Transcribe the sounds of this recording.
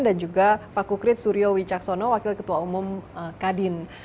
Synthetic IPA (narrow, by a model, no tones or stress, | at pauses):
ndand͡ʒuɡapakukɾɪt̪̚suɾiowit͡ʃaksonɔwakɪlkət̪uaumʊmkadɪn